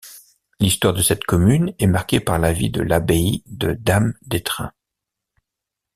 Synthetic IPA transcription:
list̪waʁd̪əsɛt̪kɔmynɛmaʁkʲepaʁlavḭd̪ə̰labeid̪əd̪amd̪et̪χɛ̰̃

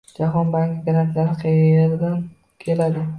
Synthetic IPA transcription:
d͡ʒaɦɒnbaŋɡʲɪɡaɾant̪lanɪqʰejɾd̪an | kʲʰe̞lad̪ɪ

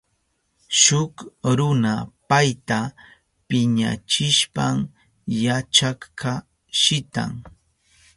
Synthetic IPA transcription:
ʃʊkɾʊnapajt̪a | pɪɲa̰t͡ʃɪʃpam | jat͡ʃakkʰa | ʃɪt̪a̰ŋ

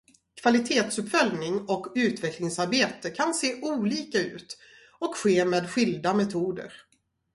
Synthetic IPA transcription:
kʰv̥alɪt̪ʰeːt̪sɵpfœlnɪŋɔkʉ̟ːt̪vɛklɪŋsaɾbeːt̪əkʰanseːʔuːliːkaʉ̟ːt̪ | ɔkɧeːmeːd̪ɧʏld̪amɛt̪ʰuːd̪ə̰ɾ

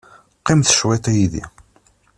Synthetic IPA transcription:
qːɪmθə̥ʃwɛt̪ˤijiðḭ

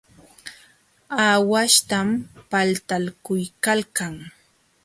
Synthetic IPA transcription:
aːwaʃt̪ampalt̪alkʊjkalkaŋ

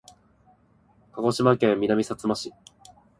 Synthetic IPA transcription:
kaɡo̞ɕimakẽ̞mːʲinamʲisat͡sɨmaɕi

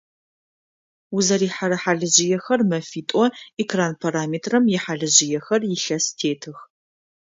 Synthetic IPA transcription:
wʊzɐɾiːħaɾɐħaɮɨʑɪjɛxɐrmɐfiːtʼɔekʰraːnpʰaɾaːmeːtʰrɐmjɪħaːɮɨʑɪjɛxɐrjɪɬɐstʰeːtʰɨx

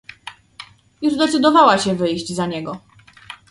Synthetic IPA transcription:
juʐd̪ɛt̪sɘd̪ɔvawaɕɛvɘjʑd͡ʑzaɲɛɡɔ

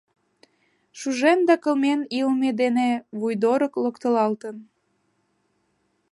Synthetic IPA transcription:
ʃuʒend̪ɑkə̆lmenilmed̪eneβujd̪oɾəkləkt̪ə̆lɑlt̪ən

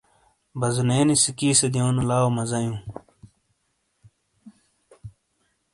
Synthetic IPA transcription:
bɐzneːnisikiːsed̪joːnulaːomɐzɐjũː

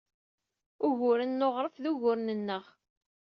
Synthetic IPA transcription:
ʊʝʊɾənːoʁɾˤəfðuʝʊɾnənːəʁ

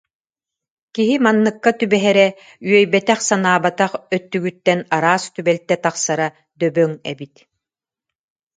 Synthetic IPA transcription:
kiɦimanːɯkːat̪ybɛɦɛɾɛ | yœjbɛt̪ɛχsanaːbat̪aχœt̪ːyɡyt̪ːɛnaɾaːst̪ybɛlt̪ɛt̪aχsaɾa | d̪œbœŋɛ̰bit̪

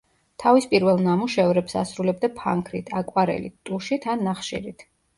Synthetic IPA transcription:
t̪ʰavispʼiɾvɛlˠnamuʃɛvɾɛpsa̰sɾulɛb̚d̪apʰa̰ŋkʰɾit̪ʰakʼwaɾɛ̰lit̪t̪ʼuʃit̪ʰanːaχʃḭɾit̪ʰ

